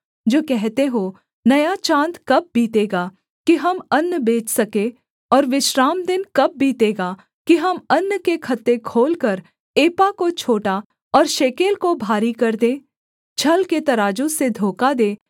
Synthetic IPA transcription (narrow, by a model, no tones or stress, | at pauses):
d͡ʒoːkɛɦt̪eɦo | nɐjat͡ʃãːnt̪kɐb̚biːt̪eːɡaː | kiɦɐmɐnːbeːt͡ʃsɐke | ɔːɾʋɪʃɾaːmd̪ɪnkɐp̚biːt̪eːɡaː | kiɦɐmɐnːkekʰɐt̪ːekʰoːlkəɾ | eːpakot͡ʃʰoːʈa | ɔːɾʃeːkeːlkobʱaːɾikɐɾd̪eː | t͡ʃʰɐlket̪ɐɾaːd͡ʒõsed̪ʱoːkad̪eː